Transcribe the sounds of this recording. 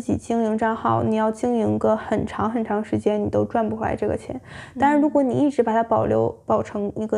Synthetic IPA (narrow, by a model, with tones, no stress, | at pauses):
t͡ɕḭ˨˩t͡ɕi˥ŋi˧˥ŋʈ͡ʂɑ˥nxɑ˥˩ʊni˨˩jɑ˥˩ʊt͡ɕi˥˩ŋi˧˥ŋi˧˥ɡə˧xə˨˩nʈ͡ʂʰɑ˧˥ŋxə˨˩nʈ͡ʂʰɑ˧˥ŋʂɻ̩˧˥t͡ɕjɛ˥nni˨˩t̪o˥ʊʈ͡ʂwa˥˧npu˧˩xla̰˧˥ɪʈ͡ʂɤ˥˩ɡə̰˩t͡ɕʰjɛ̰˧˥nt̪ɻa˧nɻu˧˥kwɔ˧˥ni˨˩i˥˩ʈ͡ʂɻ̩˧˥pa˨˩t̪ʰa˥pɑ˨˩ʊljo̰˧˥ʊpɑ˨˩ʊʈ͡ʂʰɤ˧˥ŋi˧˥ɡə˧